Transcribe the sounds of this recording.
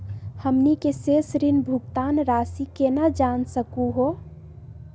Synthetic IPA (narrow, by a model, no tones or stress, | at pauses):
həmnikesesɾinbʱʊɡ̚t̪aːnɾaːsikenad͡ʒaːnsəkuɦo